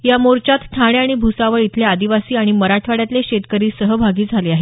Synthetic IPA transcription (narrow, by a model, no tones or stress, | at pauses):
jamoɾt͡ɕat̪t̪ʰaɽ̃eaɽ̃ibʱusaʋəɭit̪ʰlead̪iʋasiːaɽ̃iməɾaʈʰʋaɽjat̪leɕet̪kəɾiːsəɦəbʱaɡiːd͡zʱaleaɦe